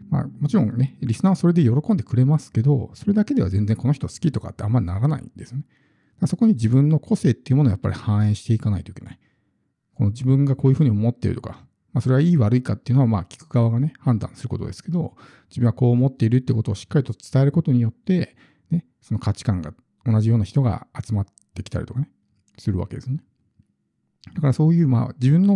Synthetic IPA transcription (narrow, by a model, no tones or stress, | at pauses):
ma̰ːmo̞t͡ɕiɾõ̞ŋne̞ɾʲisɨnaβaso̞ɾe̞d̪e̞jo̞ɾo̞kõ̞nd̪e̞kɯ̟ɾe̞masɨ̥ke̞d̪o̞so̞ɾe̞d̪ake̞d̪e̞a̰zẽ̞nd͡zẽ̞ŋko̞no̞çʲit̪o̞sɨ̥kʲit̪o̞ka̰t̪ːe̞a̰mːaɾʲinaɾana̰ḭnd̪e̞sɨjone | d̪̥aaso̞ko̞ɲ̟id͡ʑibɯ̟̃nːo̞kʰo̞se̞ːt̪ːeiɯ̟moojapːa̰ɾʲihãɰ̃ẽ̞ɰ̃ɕi̥t̪eikanait̪o̞ike̞na̰i | ko̞nod͡ʑibɯ̟̃ŋɡako̞ːjɯ̟ɸɯ̟ːɲ̟iomo̞t̪ːḛɾɯ̟t̪o̞̰ka̰ | maːso̞ɾe̞aiːβaɾɯ̟ikat̪ːejɯ̟no̞amaːkʲi̥kɯ̟ɡaβaɡane̞hãnd̪ã̰sɨɾɯ̟ko̞t̪o̞̰d̪e̞sɨ̥ke̞d̪o̞̰ | d͡ʑibɯ̟̃ɡako̞ːmo̞t̪ːe̞iɾɯt̪ːeiko̞t̪o̞ːɕi̥kːaɾʲit̪o̞t͡sɨ̥t̪ae̞ɾɯ̟ko̞t̪o̞ɲ̟ijo̞t̪ːe̞ | ne̞ | so̞no̞kat͡ɕi̥kãŋɡa̰ | o̞naʑijo̞ːnaçi̥t̪oɡa̰at͡sɨmat̪ːe̞kʲi̥t̪a̰ɾḭt̪okane | sɨɾɯ̟βa̰ked̪e̞sɨne | d̪̥akaɾaso̞ːjɯ̟ːma̰ːd͡ʑibɯ̃nːo̞